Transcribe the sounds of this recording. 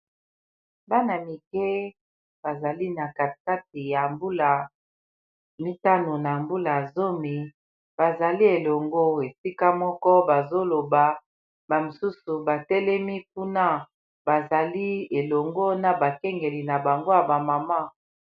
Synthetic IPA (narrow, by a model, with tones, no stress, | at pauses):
ba˦na˨mi˨kɛ˦ | b̥a˨za˨li˦na˨ka˨ka˦t̚i˨ja˨mbu˦la˨ | mi˦ta˦no˨na˨mbu˦la˨zo˦mi˨ | b̥a˨za˨li˦e˨lɔ˨ŋɡo˦e˨si˦ka˦mɔ˦kɔ˦ba˨zo˦lo˨ba˨ | ba˨mo˨su˦su˨ba˨tɛ˦lɛ˦mi˦ku˦na˦ | ba˨za˨li˦e˨lɔ˨ŋɡo˦na˨ba˨kɛ˦ŋɡe˨li˨na˨ba˨ŋɡo˦ja˨ba˨ma˨ma˦